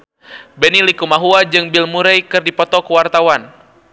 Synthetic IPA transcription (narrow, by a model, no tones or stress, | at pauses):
bɛnilikumaɦuad͡ʒɨŋbilmuɾɛjkɨrdipɔt̪ɔkəwart̪awan